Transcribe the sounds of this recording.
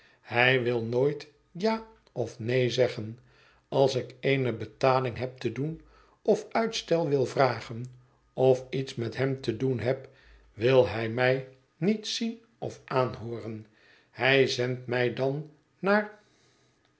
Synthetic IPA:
hɛjʋɪlˠnoːjt | jaː | ɔfnejzɛχən | ɑlˠsɪkejnəbətaːlɪŋɦɛp̚t̪ədun | ɔfœɥtstɛlˠʋɪlˠvraːχən | ɔfitsmɛtɦɛmtədunɦɛp | ʋɪlˠɛjmɛj | nitsin | ɔfaːnɦoːrən | hɛjzɛntmɛjdɑnː | aːɹ

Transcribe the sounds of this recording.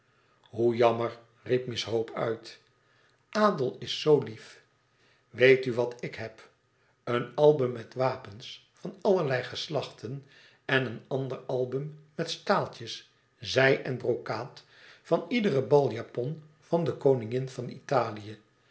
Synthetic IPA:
ɦujɑməɹ | rip̚mɪsɦowpʰœ̰ɥt | ʔaːdəlˠɪsːowlif | ʋejtyʋɑtɪkɦɛp | ənɑlˠbɵmːɛtʋaːpəns | fɑnɑləɹlɛjχəslɑχtʰən | ɛnənɑndəɹɑlˠbəmːɛtstaːlˠtəs | zɛjʔɛnbrowkaːt | fɑnidərəbɑlˠjaːpɔn | v̥ɑndəkownɪŋɪnvɑnḭtaːlijə

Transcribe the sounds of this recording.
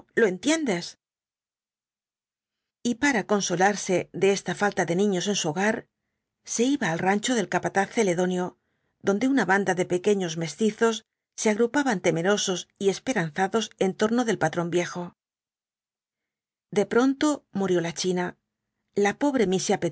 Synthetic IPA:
lo̞e̞nt̪je̞nd̪e̞s | ipaɾako̞nso̞laɾse̞ðe̞est̪afalt̪aðe̞nĩɲo̞se̞nsuoɣaɾ | se̞iβaːlrant͡ʃo̞ðe̞lkapat̪aθe̞le̞ðo̞njo̞ | ðo̞nd̪e̞unaβand̪aðe̞pe̞ke̞ɲo̞zme̞st̪iθo̞sː | eaɣɾupaβant̪e̞me̞ɾo̞so̞sie̞spe̞ɾan̟θaðo̞se̞nt̪o̞ɾno̞ðe̞lpat̪ɾo̞mbje̞xo̞ | d̪e̞pɾo̞nt̪o̞muɾjolat͡ʃina | lapo̞βɾe̞misjape

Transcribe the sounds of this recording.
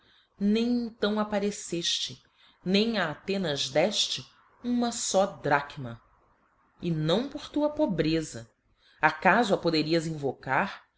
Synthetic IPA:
nẽj̃ẽnt̪ɐ̃w̃apaɾeseʃt͡ʃɪ | nẽj̃aːt̪ẽnɐzd̪ɛʃt͡ʃɪ | ũmɐsɔd̪ɾakmɐ | ɪnɐ̃w̃poɾt̪uɐpobɾezɐ | akazʊɐpod̪eɾiɐzĩvokaɾ

